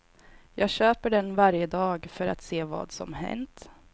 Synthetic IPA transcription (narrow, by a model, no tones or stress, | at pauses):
jɑːɡɕøːpəɖɛnvaɾjəd̪ɑːɡfœɾat̪seːvɑ̰ːd̪sɔ̰mɦɛ̰nt̪